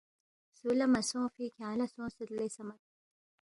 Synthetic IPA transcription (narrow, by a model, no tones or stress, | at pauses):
sulɐmɐsõːfikʰalɐsõːsəd̪lesɐmɐt̪̚